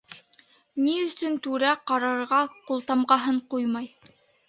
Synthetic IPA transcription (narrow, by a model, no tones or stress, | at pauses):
niɵ̆sɵnt̪ʉɾæqɑɾɑɾʁɑqulˠt̪ɑmʁɑɦɤɴqujmɑj